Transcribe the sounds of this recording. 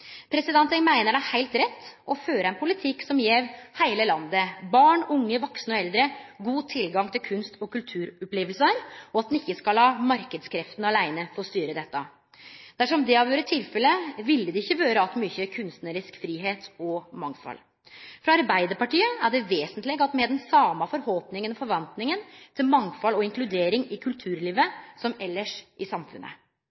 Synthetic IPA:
pʰɾɛsɪd̪ɛnt̪ɛŋmæɪnəɖæɪhæɪlt̪ɾɛt̪ːɔføːɾəɛnpʰʊlɪt̪ʰɪkːsɔmjeːʋhæɪləlɑnd̪əbɑːɳʊŋːəʋɔksnəɔɛld̪ɾəɡuːt̪ʰɪlɡɑŋt̪ʰɪlkʰʉnst̪ɔkʉlt̪ʰʉːɾɔpleːʋəlsəɾɔɑt̪d̪nɪçːəskɑlhɑːmɑɾkəd̪skʰɾɛft̪nəɑlæɪnəfɔst̪yːɾəd̪ɛt̪ːɑ | d̪̥æʂɔmd̪ɛɑːʋjøːɾət̪ʰɪlfɛlːəʋɪlːəd̪ɛɪçːəʋøːɾəɑt̪myːçəkʰʉnst̪nəɾɪskfɾiːɦeːt̪ɔmɑŋfɑ̰l | fɾɑɑɾbæɪd̪əɾpɑʈiːəæɖɛʋeːsənt̪lɪɡɑt̪mɛd̪ɛnsɑːmɑfɔɾhɔlpnɪŋənɔfɔɾʋɑnt̪nɪŋənt̪ʰɪlmɑŋfɑlɔɪŋklʉd̪eːɾɪŋɪkʰʉlt̪ʰʉːɾliːʋəsɔmɛlːəʂʔɪsɑmfʉ̰nːə̰

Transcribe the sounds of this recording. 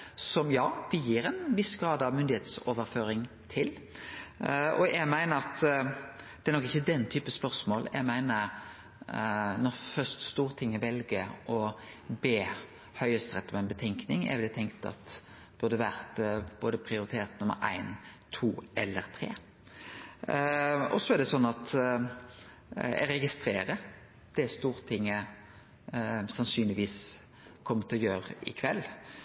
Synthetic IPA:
sɔmjɑːbəjiːɾɛnʋɪsɡɾɑːd̪ɑʋmʏnd̪ɪheːt̪soːʋəɾføːɾɪŋ | t̪ʰɪl | ɔ̰jæmæɪnəɾɑt̪ | d̪ɛæɾnɔkɪçːəd̪ɛnt̪ʰyːpəspœɾsmoːljʔæ̰ɪmæɪnə | nɔɾfœst̪st̪uːʁt̪ʰɪŋːɪbɛlɡəʔɔ | beː | hœʏəst̪ʁɛt̪ːɔmæɪnbət̪ʰɛŋknɪŋæ̰ʋɪd̪æt̪ʰɛŋkt̪ɑ̰t̪ | b̥ʉʁd̪əʋæʁt̪b̥oːd̪əpʰʁɪʊɾɪt̪ʰeːt̪nʊmə̰ɾʔæ̰ɪnt̪ʰuːʔɛlːəɾt̪ʰɾeː | ɔsɔɛæʁd̪ɛsɔnːɑt̪ | ɛ̰ɾɛɡɪst̪ɾeːɾə | d̪̥ɛst̪uːɾt̪ʰɪŋːə | sɑnsyːnlɪʋiːs | kʰɔmːət̪ʰɪlɔjøːɾəɪ̰kʰʋɛlː

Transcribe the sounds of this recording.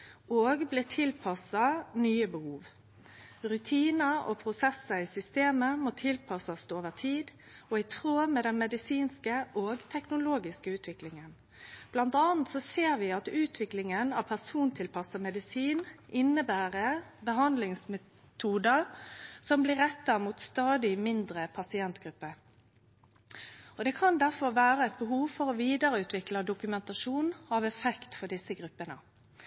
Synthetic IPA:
oːɡblɪt̪ʰɪlpʰɑsɑnyːəbəhuːʋ | ɾʉt̪ʰiːnəʔɔ̰pʰɾʊsɛsəɪsʏst̪eːməmoːt̪ʰɪlpʰɑsɑst̪oːʋət̪ʰiːd̪ | ɔɪt̪ʰɾoːmɛːd̪ɛnmɛd̪ɪsiːnskəʔoːɡt̪ʰɛknʊloːɡɪskəʉːt̪ʰʋɪklɪŋən | b̥lɑnt̪ɑːnt̪sɔseːɾʋɪɑt̪ʉːt̪ʰʋɪklɪŋənɑʋpʰæsuːnt̪ʰɪlpʰɑsəmɛd̪ɪsiːnʔɪnːəbæːʁəbəɦɑnd̪lɪŋsmɛ | t̪ʰuːd̪əsɔmblɪɾːɛt̪ːɑmuːt̪st̪ɑːd̪ɪmɪnd̪ʁəpʰɑsɪɛnt̪ɡ̥ɾʉpːə | ɔd̪ɛkʰɑnd̪æʁfɔɾʋæːɾəɛt̪̚bəɦuːʋfɔɾɔʋiːd̪əɾəʉːt̪ʋɪkləd̪ʊkʉmɛnt̪ɑʂuːnɑʋɛfɛkt̪fɔɖɪsːəɡɾʉpːənə̰

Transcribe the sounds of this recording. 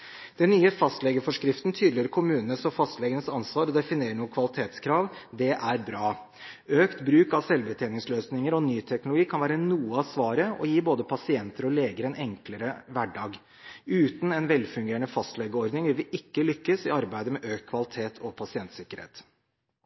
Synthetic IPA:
d̪̥ɛnːyːəfɑst̪lɛɡəfɔʂkɾɪft̪nt̪ʰyːd̪l̩ɪəɾkʰʊmʉːnənəsɔfɑst̪lɛɡənəsɑnsʋɑːɾɔd̪ɛfɪneːɾəɳuːəkʰʋɑlɪt̪ʰeːt̪skʰɾɑːʋd̪ɛʔæɾbɾɑː | øːkt̪bɾʉːkɑʋsɛlbət̪ʰɛːnɪŋsløːsnɪŋəɾɔnyːt̪ʰɛknʊlʊɡiːkʰɑnʋæːɾənuːəɑʋsʋɑːɾəɔ̰jiːboːd̪əpʰɑsɪɛnt̪əɾɔleːɡəɾɛnʔɛŋkləɾəʋæɖɑːɡ | ʉːt̪n̩ɛnʋɛlfʉŋɡeːəɳəfɑst̪lɛɡəɔɾd̪nɪŋʋɪlʋɪʔɪkːəlʏkːəsɪɑɾbæɪd̪əmɛʔøːkkʰʋɑlɪt̪ʰeːt̪ʰɔpʰɑsɪɛnt̪sɪkːəɾhḛːt̪

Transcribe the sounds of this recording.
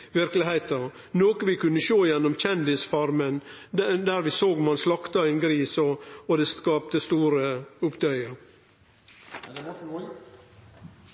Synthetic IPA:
ʋɪɾkəlɪhæɪt̪ə | noːkəʋɪkʉnːəʃoːjɛnːɔmc͡çɛnd̪ɪsfɑɾmənd̪æːɾʋɪsoːɡmɑnslɑkt̪ɑɪnɡɾiːsɔɔd̪ɛːskɑːpt̪əst̪uːɾəʊpd̪œʏəɾ

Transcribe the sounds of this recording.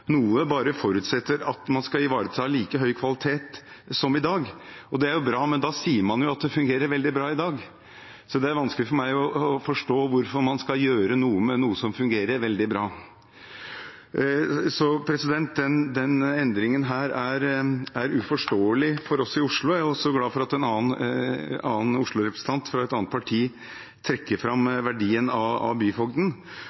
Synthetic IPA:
nuːəbɑːɾəfɔɾʉt̪sɛt̪ːəɾɑt̪mɑnskɑɪʋɑːɾət̪ʰɪhɑːliːkəɦœʏkʰʋɑlɪt̪ʰeːt̪sɔmɪd̪ɑːɡɔd̪ɛæɾjʊbɾɑːmɛnd̪ɑːsiːəɾmɑnjʊɑt̪̚d̪ɛfʉŋɡeːɾəɾʋɛld̪ɪbɾɑːɪd̪ɑːɡ | sɔd̪ɛæɾʋɑnsklɪfɔɾmæɪɔɔfɔʂʈoːʋʊɾfɔɾmɑnskɑjøːɾənuːəmɛnuːəsɔmfʉŋɡeːɾəɾʋɛld̪ɪbɾɑː | sɔpʰɾɛsɪd̪ɛnt̪̚d̪ɛnd̪ɛnɛnd̪ɾɪŋənɦæːɾæɾæɾʉfɔʂʈoːəlɪfɔɾɔsɪʊʂɭʊææɔsːɔɡlɑːfɔɾɑt̪ɛnɑːən | ɑːənʊʂɭʊɾɛpʰɾəsə̥n̩ʰɑnt̪fɾɑɛt̪ɑːnt̪pʰɑʈʰiː | t̪ʰɾɛkːəɾfɾɑmʋæɖiːənɑɑ̰byːfɔɡd̪ən

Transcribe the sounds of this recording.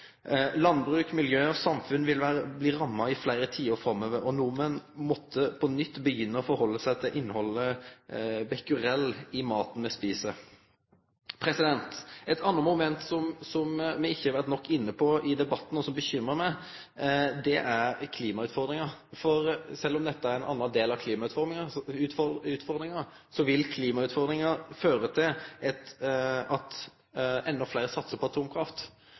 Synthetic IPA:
lɑnbʁʉːkmɪljøːɔsɑmfʉnʋɪlʋæːɾəbliːɾɑmːɑɪflæɪɾət̪ʰiːʊɾfɾɑmːøːʋəɾɔnuːmɛnmɔt̪ʰːəpʰɔnʏt̪ːbəjʏnːəɔfɔɾhɔlːəsæɪt̪ʰɪlʔɪnːəhɔlːə | bɛkʉɾɛlːɪmɑːt̪n̩mɛspiːsə | pʰɾɛsɪd̪ɛnt̪ɛt̪ʰɑnːəmʊmɛnt̪sɔmsɔmmɛɪçːəhɑɾʋæɾt̪nɔkːɪnːəpʰɔɪd̪ɛbɑt̪ːn̩ɔsɔmbəçʏmːɾəmæɪ | d̪ɛʔæʁkʰliːmɑʉːt̪fɔʁd̪ɾɪŋɑɾfɔɾsɛlːɔmd̪ɛt̪ːəæɾɛnɑ̰nːɑnd̪eːlɑʋkʰliːmɑʉt̪fɔɾɪŋɑʉːt̪fɔʉt̪fɔɾd̪ɾɪŋɑ | sɔʋɪlkʰliːmɑʉːt̪fɔɾd̪ɾɪŋɑføːɾət̪ʰɪlɛt̪ɑt̪ | ɛnːɔflæɪɾəsɑt̪səpʰɔɑt̪ʰuːmkʰɾɑft̪

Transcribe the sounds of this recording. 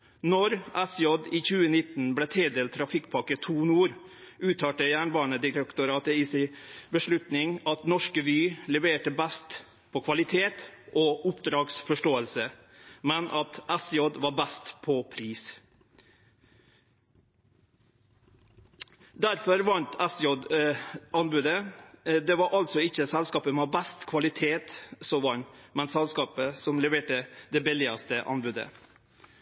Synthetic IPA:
nɔɾæsjɔd̪iːçʉːənɪt̪n̩bleːt̪ʰeːd̪eːlt̪ʰɾɑfɪkːpʰɑkət̪ʰuːnuːɾ | ʔʉːt̪ʰɑːʈəjæːɳbɑːɳəd̪ɪɾɛkt̪ʊɾɑːt̪əiːsɪbəʂlʉt̪nɪŋɑt̪nɔʂkəʋyːlɛʋeːʈəbæst̪ | pʰoːkʰʋɑlɪt̪ʰeːt̪ʔoːʊpd̪ɾɑːɡsfɔʂʈoːəlsə | mɛnʔɑt̪æsjɔd̪ʋɑːɾbæst̪pʰɔpʰɾiːs | d̪æɾfɔɾʋɑnt̪ɛsjɔd̪ʔɑnbʉd̪əd̪ɛʋɑɾʔɑlsɔɪçəsɛlskɑːpəmɛːbæst̪kʰʋɑlɪt̪ʰeːt̪sɔʋɑnmɛnsɛlskɑːpəsɔmlɛʋeːʈəd̪ɛbɪlɪɑst̪əʔɑ̰nbʉd̪ə̰

